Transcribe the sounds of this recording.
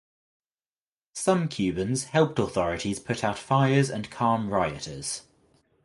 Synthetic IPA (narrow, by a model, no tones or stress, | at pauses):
sʌ̃mkʰj̥ʉːbə̃nz̥hɛlˠp̚tɔːθɒɹɪtʰiz̥pʰʊtʰaʊtfaɪəzə̰̃nkʰɑːmɹaɪətʰəz̥